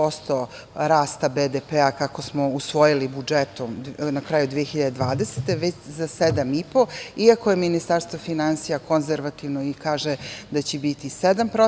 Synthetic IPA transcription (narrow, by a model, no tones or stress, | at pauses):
o̞st̪o̞ | ɾaːst̪abeːd̪epeakako̞smo̞usʋo̞jilibud͡ʒet̪omnakɾaːjud̪ʋijexiʎad̪ed̪ʋaːd̪eset̪e̞ʋet͡ɕzased̪amipo̞iakojeminist̪aɾst̪vofinansijako̞nzeɾʋat̪iʋnoikaːʒed̪at͡ɕebit̪ised̪ampɾo